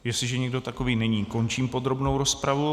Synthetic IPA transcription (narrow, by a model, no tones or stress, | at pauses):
jɛslɪʒɛɲɛɡdo̞t̪ako̞viːnɛɲiːko̞nt͡ʃiːmpo̞d̪ɾo̞bno̞wɾo̞spɾavu